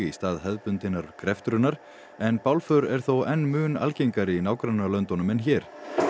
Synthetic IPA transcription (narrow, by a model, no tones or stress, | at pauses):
ist̪aːðɦɛðpʏnt̪ɪnːaɾkʰɾɛft̪ɾʏnːaɾ̥ | ɛnpawlfœɾɛɾ̥θowɛnːmʏːna̰lcejŋkaɾɪinaːwkɾanːalœnt̪ɔnʏmɛnçɛːɾ̥